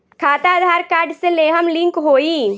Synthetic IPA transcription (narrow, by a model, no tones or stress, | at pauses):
kʰaːt̪aəd̪ʱaːɾkaːɾɖseleːɦəmlɪ̃ŋkɦoːiː